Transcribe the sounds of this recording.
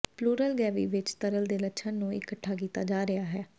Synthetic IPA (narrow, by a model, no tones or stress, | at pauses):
pluːɾəlɡɛːʋḭːʋɪt͡ʃt̪əɾəld̪eːlətːʃʰãːnũːɪ̰kəʈʰːaːkiːt̪aːd͡ʒaːɾɪaːɦɛː